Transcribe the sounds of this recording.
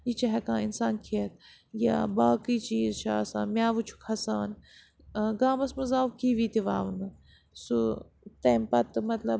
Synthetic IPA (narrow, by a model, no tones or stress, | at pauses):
jit͡ʃɐɦɛkãːinsaːnkʰiɐt̪̚ | ja̰ːbaːkiːt͡ʃiːzt͡ʃʰaːsã̰ːnmjaːʋut͡ʃʰu̥kʰɐsaːn | ɡaːmɐsmɐzaːʋkiːʋiːt̪iʋaːʋunɨ | su | t̪ɐːmpɐt̪mɐt̪lɐb